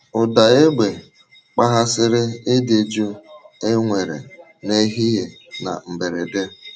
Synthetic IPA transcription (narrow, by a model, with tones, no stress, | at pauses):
ʊ˨da˨e˦ɡ͡be˨ | k͡pa˦ɦa˦sɪ˦ɾɪ˦e˦de˨d͡ʒo˦e˦ŋʷe˨ɾḛ˨ | ne˦ɦi˦je˨ | na̰˨m̩˨be˨ɾe˨de˦